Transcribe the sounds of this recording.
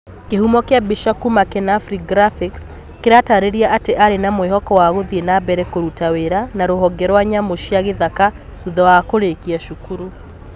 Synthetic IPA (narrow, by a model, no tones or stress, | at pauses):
kehumɔkeabiʃakumakɛnafɾiɡɾafiks | keɾataɾeɾiaʔateʔaɾenamoehɔkɔwaɣoðienabɛɾɛkoɾutaweɾanaɾoɦɔɡɛɾwaɲamoʃiaɣeðaka | uðɔwakoɾekiaʃukuɾu